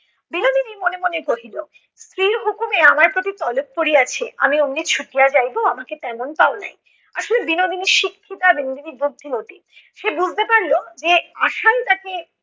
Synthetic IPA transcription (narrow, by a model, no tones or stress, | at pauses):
binod̪ʱiniɾmonemonekoɦilo | st̪ɾiɾɦukumeamaɾpɾot̪it̪ɔlop̚kːoɾiat͡ɕʰea̰miomnit͡ɕʰuʈijad͡ʑajboamaket̪ɛmonpaona̰j | aʃolebinod̪ʱiniɾʃikʰːit̪abinod̪ʱiniɾbod̪ʱːinoʈi | ʃebud͡ʑʱt̪epaɾlod͡ʑea̰ʃalt̪ake